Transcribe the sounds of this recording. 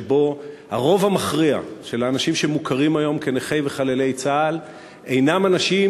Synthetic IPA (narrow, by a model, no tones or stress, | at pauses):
bo̞ha̰ʁo̞vhamaχʁia̰ʃelaːnaʃimʃemukʰaʁimajo̞mke̞neχejveχalele̞jt͡saːl | e̞jnamanaʃi